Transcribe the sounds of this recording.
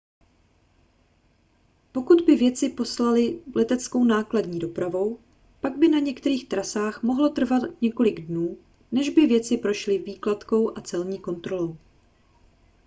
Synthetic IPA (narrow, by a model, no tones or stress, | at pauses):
po̞kud̪bɪvjɛt͡sɪpo̞slalɪlɛt̪ɛt͡sko̞wnaːkladɲiːdo̞pɾavo̞w | paɡbɪnaɲɛkt̪ɛɾiːxt̪ɾasaːxmo̞ɦlo̞t̪r̩vat̪ɲɛko̞lɪɡdnuː | nɛʒbɪvjɛt͡sɪpɾo̞ʃlɪviːklat̪ko̞wʔat͡sɛlɲiːko̞nt̪ɾo̞lo̞w